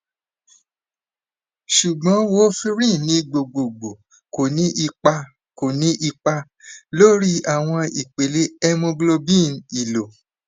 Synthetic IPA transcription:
ʃu˨ɡ͡bɔ̃˨˦wo˦fi˦ɾĩ˦˨nĩ˨˦ɡ͡bo˨ɡ͡bo˨ɡ͡bo˨ | ko˨nĩ˦ʔi˧k͡pa˧ | ko˨nĩ˦ʔi˧k͡pa˧ | lo˦ɾi˦a˨w̃ɔ̃˧i˨k͡pe˨˦le˦ɛ˦mũ˧ɡlo˧bĩ˦˨n˨i˨lo˨

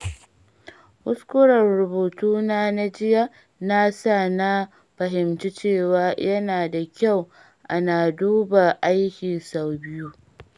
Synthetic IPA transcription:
hʊ˦skʷʊ˦ɽɐ˨rɾʊ˨boː˨tuː˦naː˦na˦d͡ʒɪ˦ja˦ | na˦sa˦˨na˦ | ɸɐ˨ɦɪ˨mt͡ʃi˦t͡ʃeː˦˨waː˦jɐ˦naː˨da˨kʲa˦˨w | ʔa˦naː˨duː˦ba˨ʔa˦jkʲiː˨sa˨wbɪ˦ju˦

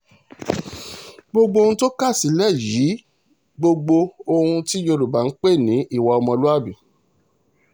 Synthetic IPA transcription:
ɡ͡bo˧ɡ͡bo˧˦˧ũ˦to˦ka˦˨si˨˦lɛ˦˨ji˨˦ | ɡ͡bo˧ɡ͡bo˧o˧hũ˧ti˦jo˧ɾu˨ba˨˦n̩˦k͡pe˦˨nĩ˨˦i˦˨wɔ˧ɔ˧mɔ̃˧lu˦a˦˨bi˨

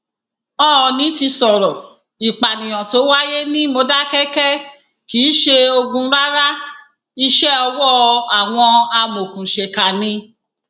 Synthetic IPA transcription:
ɔ˦˨nĩ˨˦ti˧sɔ˨ɾɔ˨ | i˨k͡pa˨nĩ˨j̃ɔ̃˨to˨˦wa˦je˦nĩ˦mo˧da˦kɛ˦kɛ˦ | ki˨˦ʃe˧o˧ɡũ˧˦ɾa˦ɾa˦ | i˧ʃɛ˦ɔ˧wɔ˦˧a˨w̃ɔ̃˧a˧mo˨kũ˨ʃe˧ka˨nĩ˧˦

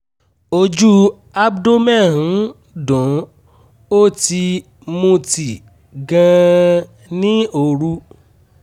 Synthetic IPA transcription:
o˧d͡ʒu˦ | a˦bdo˦mɛ˦˨ɦũ˨˦ | dɔ̃˨˦ | o˦˨ti˧ | mũ˧ti˨ | ɡã˧ | nĩ˦o˧ɾu˦

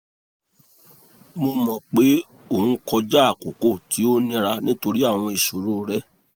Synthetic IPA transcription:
mo˧mɔ̃˨k͡pe˨˦ | õ˦˨˦kɔ˧d͡ʒa˦a˦˨ko˨ko˦˨tʰi˨˦o˦nĩ˧ɾa˧nĩ˦to˧ɾi˦a˦˨w̃ɔ̃˧i˨ʃo˨ɾo˦ɾɛ˦

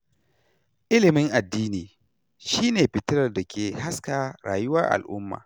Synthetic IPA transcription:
ʔɪ˦lɪ˨mɪ˦ŋʔa˨dːiː˦niː˨ | ʃiː˦neː˨ɸɪ˨tɪ˦ɾɐ˨rda˨kʲʰeː˨ha˦skaː˨ɾa̰ː˨jʊ˦wɐ˦ʔa̰˨lʔʊ̰˦mːa̰ː˨

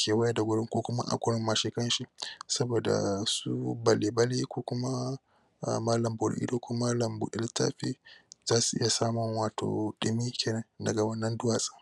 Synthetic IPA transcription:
kʰʲeː˨wɐ˦jɐ˦da˨ɡʷʊ˦ɽɪ˦ŋkʷoː˦kʷʊ˦ma̰˦ʔa̰˦kʷʊ˦ɽɪ˦mːa˨ʃi˦kɐ˦nʃi˦sɐ˦boː˨da̰˨su˦bɐ˨leː˨bɐ˦leː˦kʷoː˦kʷʊ˦ma̰˦˨ | maː˦lɐ˨mbʊ˨ɽ̰ʔḭ˦do˦kʷʊ˦maː˦lɐ˨mbʊ̰˨ɗɪ˦ltːa̰ː˦ɸi˦z̥aː˦su˨ʔɪ̰˦ja˨saː˦mʊ˨ŋwaː˨tʰo̰ː˨ɗɪ˨miː˦kʲʰeː˨nɐ˦ndɐ˨ɡa˨wɐ˦nːɐ˦ndʊ˦waː˨sʼa˦

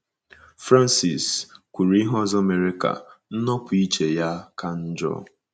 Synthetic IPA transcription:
fɾa˦n˦si˨skʷu˨ɾɦɔ˦˨zɔ˦me˨ɾɪ˦ka̰˨n̩˦nɔ˦pʊ˨i˦t͡ʃe˨ja˦kʰa˦n̩˦d͡ʒɔ̰˦

